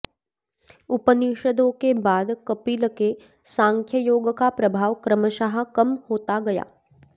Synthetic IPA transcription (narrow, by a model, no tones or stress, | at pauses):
ʊpəniʃəd̪õkebaːd̪kɐpiːləke | sãːŋkʰjəjoːɡkapɾɐbʱaːʋkɾəməʃaɦə̆kɐmhoːt̪aɡɐja̰ː